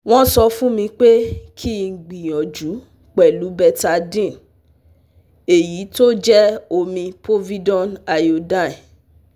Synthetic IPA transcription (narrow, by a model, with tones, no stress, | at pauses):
w̃ɔ̃˦sɔ˧fũ˦mĩ˧k͡pe˦kʰi˦˨ɡ͡bi˨j̃ɔ̃˨d͡ʒu˨˦ | k͡pɛ˨lu˨˦bɛ˧ta˧dĩ˦˨n | e˨ji˨˦to˦d͡ʒɛ˦o˧mĩ˧pɾo˦vi˦dɔ̃˦˨na˨jo˧dã˦˨ɛ˨